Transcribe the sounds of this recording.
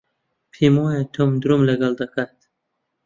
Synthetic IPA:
pʰimojet̪ʰumd̪ɾumlaɡald̪akat̪

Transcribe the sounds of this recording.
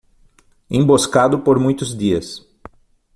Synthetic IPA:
ẽmboskad̪ʊpoɾmũj̃t̪ʊzd̪iɐs

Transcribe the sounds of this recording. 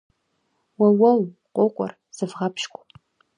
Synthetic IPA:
wɐwɐwqʷʼoqʷʼɔ̰r | z̥ɨvʁɐpʰʃkʷʼ

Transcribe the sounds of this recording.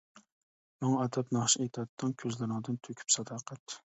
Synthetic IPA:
mɑŋɛd̪ɛpnɑχʃiet̪ʰɑt̪ʰːɨŋkʲʰøzlɪɾɪŋd̪ɨnt̪ʰøkʲʰy̥psɑd̪ɑqʰɛt̪

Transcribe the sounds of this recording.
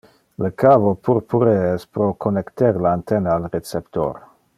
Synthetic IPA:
ləkaːvopʰuɾpuɾeɛspɾokʰonekt̪ɛɾlaant̪enaːlret͡sept̪o̰ɾ

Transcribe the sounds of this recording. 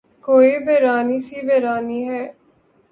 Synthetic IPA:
koːiːbʱɛːɾaːniːsiːbʱɛːɾaːniːɦɛː

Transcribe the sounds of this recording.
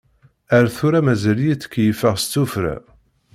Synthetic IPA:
æɾθuɾæmæzæljit͡sːə̥kːjəfəʁst͡sːufɾa̰

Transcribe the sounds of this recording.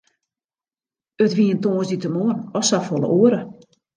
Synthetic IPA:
ətʋiəntoːsditəmoənɔsafɔlə̰ʔoəɾə

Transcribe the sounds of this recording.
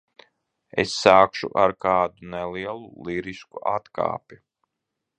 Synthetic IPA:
ḛsːaːkʃṵʔaɾkaːd̪unɛliɛlˠuliɾiskuʔat̪ka̰ːpʲi

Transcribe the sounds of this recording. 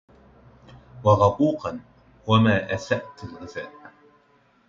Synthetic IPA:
wɑɣɑquːqɑn | wamaːʔasaʔt̪alɣɪzaːl

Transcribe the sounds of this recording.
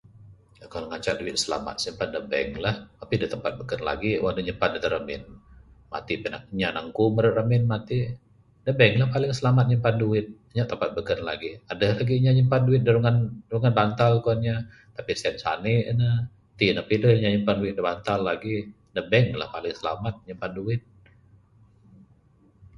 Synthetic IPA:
akaləŋaɲt͡ʃa̰ʔ̚duɪ̰t̪̚səla̰ma̰t̪̚səmpandəbɛ̰ŋlahapidət̪əmpat̪̚bəkənla̰ɡiwadəɲəmpandət̪əɾəmɪ̰n | ma̰t̪ipəna̰k̚ɲanaŋkuməɾʊrəmɪnmat̪i | dəbɛŋlahpalɪŋsəlamat̪̚ɲəmpanduwɪt̪̚aɲaʔt̪əmpat̪̚bəkənlaɡiadəhlaɡiɲaɲəmpanduɪt̪̚dəɾuŋanɾuŋanbant̪alkuanɲa | t̪apisɛnsa̰nɪʔnə | t̪inapidəhɲaɲəmpanduɪt̪̚dəbant̪alːaɡi | dəbɛŋla̰hpalɪŋsəla̰mat̪̚ɲəmpanduɪt̪̚

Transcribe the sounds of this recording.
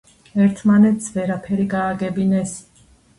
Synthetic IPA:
ɛɾt̪ʰmanɛt̪ʰsʰvɛɾapʰɛɾiɡaːɡɛbinɛs

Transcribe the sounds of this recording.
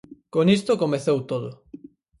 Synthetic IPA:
konist̪okomeθowt̪oðʊ

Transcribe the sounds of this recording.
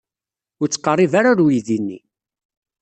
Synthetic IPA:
ʊɾt͡sːqːərˤːivaɾaɾujiðinːḭ

